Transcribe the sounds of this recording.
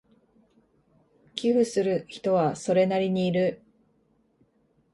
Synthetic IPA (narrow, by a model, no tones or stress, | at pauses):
kʲiɸɯ̟sɨɾɯ̟çi̥t̪o̞βaso̞ɾe̞naɾʲiɲ̟iːɾɯ̟